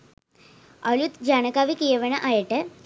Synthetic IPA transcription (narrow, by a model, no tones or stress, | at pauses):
ɐɭut̪d͡ʑaɳɐkaːʋikijɐʋɐɳɐʔaːjɐʈːɨ